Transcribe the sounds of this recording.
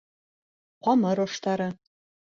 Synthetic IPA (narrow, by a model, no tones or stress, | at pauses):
qʷɑmɐɾoʂt̪ʰaɾɐ